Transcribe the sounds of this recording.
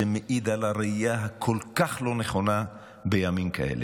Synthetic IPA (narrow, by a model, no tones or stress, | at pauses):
emeʔid̪alaɾeijaɦakʰolkaχlo̞neχo̞na | bejamimkʰa̰ʔḛle